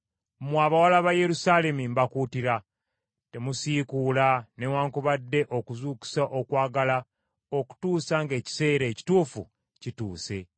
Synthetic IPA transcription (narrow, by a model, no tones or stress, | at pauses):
mwaːβawalaβaje̞ɾusaːle̞mimbakuːtiɾa | te̞musiːkuːlanewaːŋkuβadːe̞ʔo̞kuzuːku̥saʔo̞kwaːɡala | o̞ku̥tuːsaŋɡe̞ːci̥se̞ːɾe̞ːci̥tuːfṵ | cituːse̞